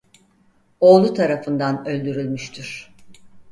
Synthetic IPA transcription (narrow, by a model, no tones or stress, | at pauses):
o̞ːlˠut̪ʰaɾafɯnd̪anø̞lʲd̪yɾylʲmyʃt̪ʰyɾ̝̥